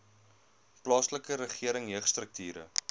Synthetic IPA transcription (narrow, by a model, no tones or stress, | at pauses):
plɑːsləkəɾəχiəɾəŋɦəχst̪rək̚tyːɾə̰